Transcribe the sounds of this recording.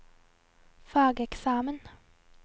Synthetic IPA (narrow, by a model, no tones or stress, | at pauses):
fɑːɡəɛksɑːmən